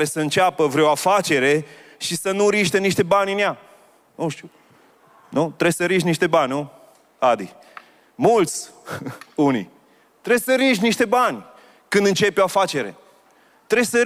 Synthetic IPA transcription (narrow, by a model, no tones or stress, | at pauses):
ɾesəɨnt͡ʃapəvɾeoafat͡ʃe̞ɾe̞ʃisənuɾiʃt̪eniʃt̪e̞banʲɨnja | nuʃt̪iu | nut̪ɾesəɾiʃniʃt̪e̞banʲnu | ad̪i | mult̪sʲ | unḭ | t̪ɾe̞bsəɾiʃniʃt̪e̞banʲ | kɨnd̪ɨnt͡ʃe̞poafat͡ʃe̞ɾe̞̰ | t̪ɾe̞sə